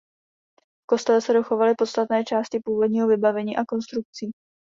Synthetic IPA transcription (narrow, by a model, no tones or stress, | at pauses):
fko̞st̪ɛlɛsɛdo̞xo̞valɪpo̞t̪st̪at̪nɛːt͡ʃaːscɪpuːvo̞dɲiːɦo̞vɪbavɛɲiːʔako̞nst̪ɾuk̚t͡siː